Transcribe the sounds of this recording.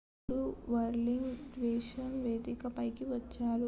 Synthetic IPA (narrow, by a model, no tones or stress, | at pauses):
ɽuʋɐɾliŋɡdʋeːʃɐnʋeːd̪ikɐpɐjkiʋɐt͡ʃːaːɾu